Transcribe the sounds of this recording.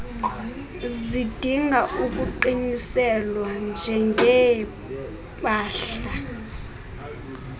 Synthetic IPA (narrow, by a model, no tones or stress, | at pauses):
zid̥ʱiŋʱaʔuk̬uǃiɲisɛlwand͡ʒʱɛŋɡʱɛ | paːɬa